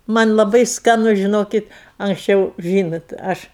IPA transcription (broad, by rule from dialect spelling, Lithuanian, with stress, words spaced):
ˈmɐnʲ lˠɐˈbɐɪ skɐˈnʊ ʒʲɪˈnoːkʲɪt ɐŋksʲˈt͡ʃʲɛʊ ˈʒʲiːnoːt ˈɐʃ